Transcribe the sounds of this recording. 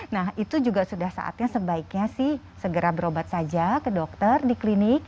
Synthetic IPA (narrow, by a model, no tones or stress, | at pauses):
nahit̪ud͡ʒuɡasudahsa̰ʔa̰t̪̚ɲasəbaikɲasɪh | səɡəɾabəɾobat̪̚sad͡ʒakədok̚t̪ərdiklinɪk̚